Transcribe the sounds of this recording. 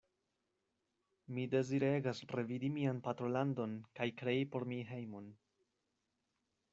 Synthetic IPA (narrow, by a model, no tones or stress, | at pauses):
mide̞ziɾeɡasre̞vidimianpatɾo̞lando̞nkajkɾe̞ipo̞ɾmiɦe̞jmo̞n